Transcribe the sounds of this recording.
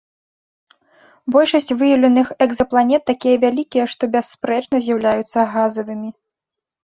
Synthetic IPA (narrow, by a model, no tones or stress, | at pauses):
bɔlʲʂɐsʲt͡sʲvɨjɐwlʲɐnɨxɛɡzɐplˠanʲɛt̪ːakʲijɐvʲalʲikʲijɐʂt̪ɔbʲasːpɾɛt͡ʂnɐzʲjawlʲajut̪sːɐɣazɐvɨmʲi